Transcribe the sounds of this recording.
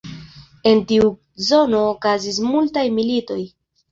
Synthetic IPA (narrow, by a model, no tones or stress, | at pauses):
e̞ntiu | zo̞no̞ːkazis̬multajmilito̞j